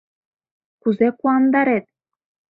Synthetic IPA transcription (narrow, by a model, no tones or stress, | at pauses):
kuzekuɑnd̪ɑɾet̪̚